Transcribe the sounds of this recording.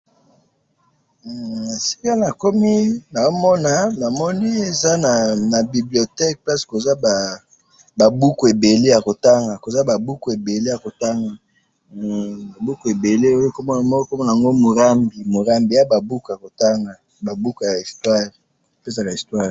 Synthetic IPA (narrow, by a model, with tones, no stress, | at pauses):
si̥˦ka˦na˨ko˦mi˦na˨o˦mɔ˦na˨na˨mɔ˦ni˦e˨za˦na˨na˨bi˨bli˨o˨tɛ˦k̚pa˦si̥˨ko˨za˦ba˨ | ba˨bu˦ku˨e˨be˨le˦ja˨ko˨ta˦ŋɡa˨ko˨za˦ba˨bu˦ku˨e˨be˨le˦ja˨ko˨ta˦ŋɡa˨ | ba˨bu˦ku˨e˨be˨le˦o˦jo˦ko˦˨mɔ˦ko˦mɔ˦na˨a˨ŋɡo˦mo˨ʁa˦mbi˨mo˨ʁa˦mbi˨ja˦ba˨bu˦ku˨ja˨ko˨ta˦ŋɡa˨ | ba˨bu˦ku˨ja˨i˨stwa˦ʁ | o˨pe˦sa˦˨ka˨i˨stwa˦ʁ